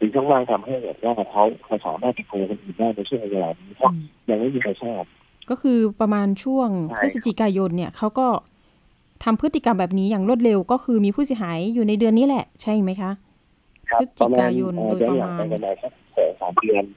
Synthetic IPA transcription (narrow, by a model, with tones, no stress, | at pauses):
sʰɯ˨˩ŋt͡ɕʰuː˥˩ŋlaː˥˩ŋt̪ʰa˧mha˥˩jbɛ̰ː˨˩t̪̚waː˥˩kʰa˦˥wkʰa˧˩jsa̰ː˩˦maː˥˩t̪̚t͡ɕi˧˩k̪ʰuː˧kʰo˧nʔɯː˨˩ndaː˥˩jna˧t͡ɕʰu˥˩əŋʔa˧jaː˧la̰ː˨˩niː˦˥pʰɔ˦˥ja˧ŋma˥˩jmiː˧kʰa˧t͡ɕʰɔː˥˩p̚ | kɔː˥˩kʰɯː˧pɾa˧maː˧nt͡ɕʰu˥˩əŋʰa˥˩ɾsa˧˩t͡ɕi˨˩kaː˧jo˧nːi˥˩ɐkʰa˦˥wkɔː˥˩ | t̪ʰa˧mpʰɯ˦˥t̪ːi˨˩ka˧mbɛː˨˩p̚niː˦˥jaː˨˩ŋɾu˥˩t̪̚le˧wkɔː˥˩kʰɯː˧miː˧pʰuː˥˩s̬i˩˦ɦaː˩˦jːuː˨˩na˧jdɯ˧ənːiː˦˥lɛ˨˩ʔt͡ɕʰa˥˩jma˦˥jkʰa˦˥ʔ | kʰa˦˥sa˧t͡ɕːmkːkaː˧jo˧nː˨˩˧ɯː˧˦nla˨˧˦a˧˩ka˧naː˨˩jkʰa˦˥p̚sɔ̰ː˩˦ŋsa̰ː˩˦mdɯ˧ən